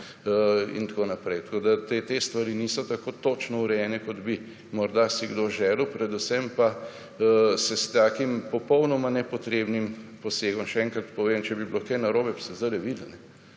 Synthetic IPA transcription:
ḭnt̪akonapɾɛjt̪koːd̪ɐt̪et̪est̪ʋaɾiniːsɔt̪akoːt̪ot͡ʃnɔuɾɛjɛːnɛkɔd̪bi | mɔɾd̪asiɡd̪oʒɛːləwpɾɛd̪usɛmpa | sɛst̪aːkimpɔpɔwnɔmanɛpɔt̪ɾeːbnimpɔseːɡɔmʃɛɛːŋkɾat̪pɔʋemt͡ʃɛbibilokajnaɾoːbɛpḁsɛzd̪ədɛʋid̪l̩nɛ

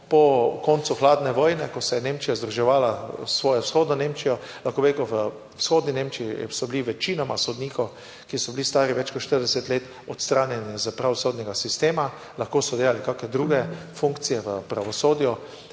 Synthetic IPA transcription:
pɔkɔnt̪suxlaːd̪nɛʋɔːjnɛkɔsɛjɛnẽmt͡ʃijazd̪ɾuʒɛʋaːlasʋɔːjɛwsxoːd̪nɔnẽːmt͡ʃijɔ | laxkoʋekɔʋə | wsxoːd̪ninẽmt͡ʃiḭsɔbliʋɛt͡ʃiːnɔmasɔd̪niːkɔw | kisɔbʲilist̪aːɾiʋɛt͡ʃkɔt̪ʃt̪əɾd̪ɛsɛt̪leːt̪ | ɔt̪st̪ɾaːnjɛnizapɾaʋɔsoːd̪nɛɡasist̪eːma | laxkoːsɔd̪eːlalikaːkɛd̪ɾuːɡɛfuŋkt̪sijɛʋəpɾaʋɔsoːd̪jɔ

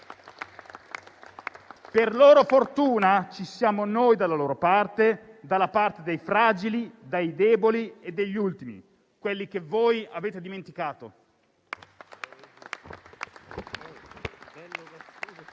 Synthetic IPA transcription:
perloːɾofort̪uːnat͡ʃisjaːmonojd̪alːaloːɾopart̪ed̪alːapart̪ed̪ejfɾaːd͡ʒilid̪ajd̪ɛːbolied̪ːeʎːult̪imḭ | kwelːik̟evoːjaveːt̪ed̪iment̪ikaːt̪o | bɛlː

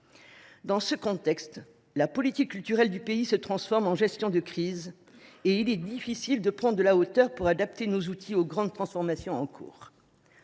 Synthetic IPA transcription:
d̪ɑ̃səkɔ̃t̪ɛkst̪ | lapɔlit̪ikʲːylt̪yʁɛld̪ypeisət̪χɑ̃sfɔʁmɑ̃ʒɛst̪jɔ̃d̪əkχiz | eilɛd̪ifisild̪əpχɑ̃d̪ʁəlaot̪œʁpuʁad̪ap̚t̪enozut̪ʰioɡʁɑ̃d̪t̪χɑ̃sfɔʁmasjɔ̃ɑ̃kʰṵːʁ

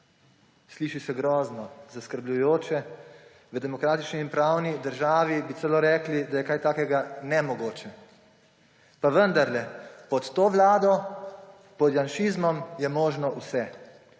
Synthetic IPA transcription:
sliːʃisɛɡɾɔːznɔzaskəɾblʲujoːt͡ʃɛ | ʋəd̪ɛmɔkɾaːt̪it͡ʃniːmpɾawnid̪əɾʒaːʋibit̪t͡s̪ɛloːɾɛːklid̪ajɛkajt̪aːkɛɡanɛmɔɡoːt͡ʃɛ | paʋənd̪aɾlɛpɔt̪ːoːʋlaːd̪ɔ | pɔd̪janʃizmɔmjɛmɔːʒnɔusɛ

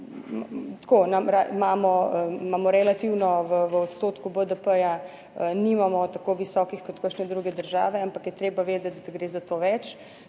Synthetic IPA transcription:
mt̪koːnamɾamaːmɔəmamɔɾɛlat̪iwnɔʋəʋəɔt̪st̪oːt̪kubəd̪əpəja | ənimamɔt̪akoːʋisɔːkixkɔt̪kəʃnɛd̪ɾuɡɛd̪əɾʒa̰ːʋɛampakjɛt̪ɾeːbaʋeːd̪ɛt̪d̪aɡɾeːzat̪oːʋɛt͡ʃ

